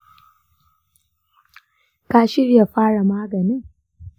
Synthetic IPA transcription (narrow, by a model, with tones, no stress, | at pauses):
ka˦ʃɪ˦rja˨ɸaː˦ɽa˨maː˦ɡɐ˨ni˦